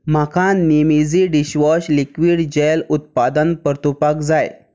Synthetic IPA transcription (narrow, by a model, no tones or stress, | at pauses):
m̤akʰãnimid͡ziɖiɕʋɔɕlikʋiːɽd͡ʑelut̪̚pad̪ənpəɾt̪upakd͡zaj